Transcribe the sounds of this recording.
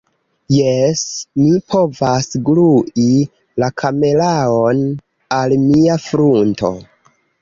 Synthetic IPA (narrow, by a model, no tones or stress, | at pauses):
jesmipʰo̞vasɡluʔi | lakʰame̞laon | almiafɾunto̞̰